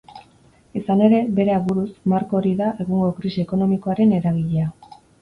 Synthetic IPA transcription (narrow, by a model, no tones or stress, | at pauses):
isane̞ɾe̞be̞ɾe̞aβuɾusmaɾko̞ːɾiðaʔe̞ɣuŋɡo̞kɾisiːko̞no̞miko̞aɾe̞ne̞ɾaɣ̞iʎea